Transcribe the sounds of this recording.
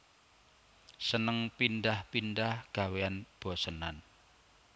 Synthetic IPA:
sənəŋpindahpindahɡ̥a̤weanb̥ɔ̤sənan

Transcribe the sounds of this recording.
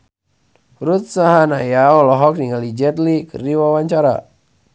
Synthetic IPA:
ɾut̪̚saɦanajaɔlɔɦɔk̚niŋalid͡ʒɛt̪likɨ̰rdiwawaɲt͡ʃaɾa̰

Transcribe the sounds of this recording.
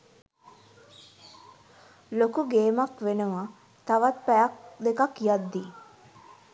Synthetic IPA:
lokuɡeːmakʋenəʋa | t̪aʋat̪̚pæjak̚d̪ekakijad̪ːi

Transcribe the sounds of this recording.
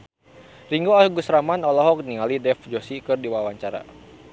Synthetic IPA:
riŋɡoasuɡusɾamanɔlɔɦɔk̚niŋalidɛfd͡ʒosikɨrdiwawaɲt͡ʃaɾa̰

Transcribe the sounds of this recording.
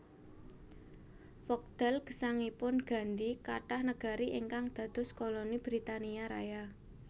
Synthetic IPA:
fɔk̚d̪̥ɛlɡ̥ə̥saŋipʊnɡ̥a̤ɳɖikaʈahnəɡ̥a̤ɾiʔiŋkaŋd̪̥ä̤d̪̥ʊ̤skolonib̥ɾit̪aniaɾa̰ja

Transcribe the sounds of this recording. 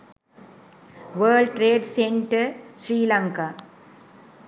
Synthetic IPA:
ʋəːlɖʈɾeːɖseɳʈəɾsɾiːlaŋka

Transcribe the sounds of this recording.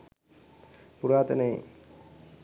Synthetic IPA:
puɾaːt̪ənəj

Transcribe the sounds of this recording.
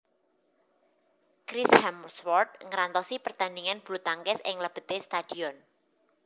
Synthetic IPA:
kɾishɛmswɔrd̪̚ŋəɾant̪ɔsipərt̪aniŋanb̥ulut̪aŋkɛsɪŋləb̥ə̤̥t̪est̪ad̥iɔn

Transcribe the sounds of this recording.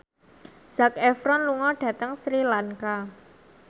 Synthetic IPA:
z̥akɛfɾɔnluŋɔɖ̥ä̤t̪əŋsɾilaŋka

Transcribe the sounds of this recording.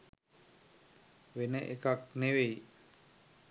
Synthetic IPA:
ʋenəʔekak̚neʋej

